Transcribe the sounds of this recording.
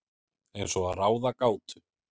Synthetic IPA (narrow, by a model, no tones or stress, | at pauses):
ɛjnsɔaðraːwðakaːwt̪ʏ